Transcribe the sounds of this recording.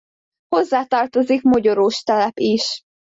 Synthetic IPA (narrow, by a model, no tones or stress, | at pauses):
ho̞zːaːt̪ɒrt̪o̞zikmo̞ɟoɾoːʃt̪ɛlɛpiʃ